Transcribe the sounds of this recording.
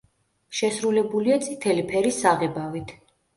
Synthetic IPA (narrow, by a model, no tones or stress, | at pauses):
ʃɛsɾulɛbuliat̪sʼit̪ʰɛlipʰɛɾisaʁɛbavit̪ʰ